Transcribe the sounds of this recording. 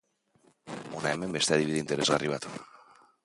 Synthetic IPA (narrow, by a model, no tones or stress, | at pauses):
unaɛmembest̪aðiβiðint̪eɾezariβ̞at̪o